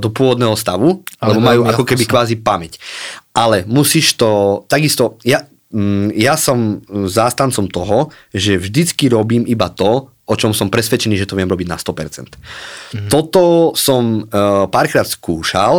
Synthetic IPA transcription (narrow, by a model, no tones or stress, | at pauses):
d̪ɔpʊɔʋɔd̪nɛːɦɔst̪aʋulɛbɔmajuːakɔkɛbikʋaːzipamɛcʔalɛmusiːʃt̪ɔt̪aɡist̪ɔja | jasɔmzaːst̪ant͡sɔmt̪ɔɦɔ | ʒɛvʒd̪it͡skiɾɔbiːmibat̪ɔ | ɔt͡ʃɔmsɔmpɾɛsʋɛt͡ʃɛniːʒɛt̪ɔʋɪɛmɾɔbiɟna̰st̪ɔpɛɾt͡sɛ̰nt̪ | t̪ːɔt̪ɔsɔmpaːɾkɾaːt̪skuːʃa̰l